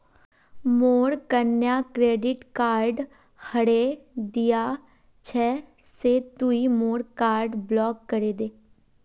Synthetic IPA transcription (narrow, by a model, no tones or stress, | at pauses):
moːɾkənjaːkɾeːɖɪʈkaːɾɖ | həɽeːd̪ɪjaː | t͡ʃʰɛːseːt̪uimoːɾkaːɾɖblɔːkːəɾeːd̪eː